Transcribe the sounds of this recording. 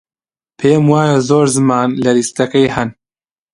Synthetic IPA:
pʰeːmwaːjazoːɾzɨmaːnlɐlist̪ɐkɐjhɛn

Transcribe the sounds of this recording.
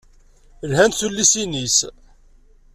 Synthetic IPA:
lhænθulːisinis

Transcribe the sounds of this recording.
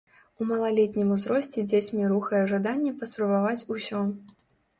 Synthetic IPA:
umɐlˠalʲet̪ʲnʲimuzɾɔsʲt͡sʲɛd͡zʲet͡sʲmʲiɾuxɐjɛʐad̪anʲːɛpɐspɾɐbavat͡sʲusʲɔ

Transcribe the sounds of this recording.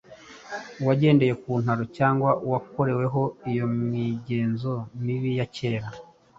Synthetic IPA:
waɟe̞ːnde̞je̞kuːn̥haɾocaːŋɡwaʔwako̞ɾe̞we̞ɦo̞ijo̞mŋiɟe̞ːnzo̞miβijace̞ːɾa

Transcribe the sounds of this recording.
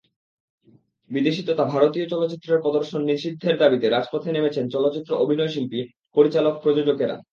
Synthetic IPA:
bid̪eʃit̪ot̪abʱaɾot̪iot͡ɕɔlot̪ːɕit̪ːɾeɾpɔd̪oɾʃonːiɾʃid̪ʱːeɾd̪abit̪eɾad͡ʑpot̪ʰenemet͡ɕʰent͡ɕɔlotːɕit̪ːɾoʔobʱinɔeʃ̬ilpi | poɾit͡ɕalok̚pɾod͡ʑod͡ʑoɡeɾa̰

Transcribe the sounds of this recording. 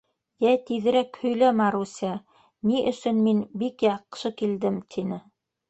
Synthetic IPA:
jæt̪iðɘ̆ɾækhɵ̆jlæmæɾusʲæ | niʔɵ̆sɵ̆nminbikjɑqʃɤkild̪ɘmt̪ʰinɘ

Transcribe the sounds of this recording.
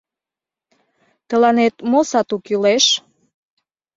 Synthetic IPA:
t̪əlɑnet̪mosɑt̪ukyleʃ

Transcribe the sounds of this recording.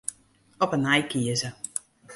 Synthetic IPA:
ɔpənɛjkiəzə

